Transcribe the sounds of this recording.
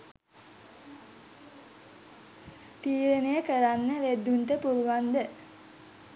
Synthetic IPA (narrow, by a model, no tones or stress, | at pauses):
t̪iːɾənəjəkəɾanːəɾed̪ːunt̪əpuɾuʋand̪ə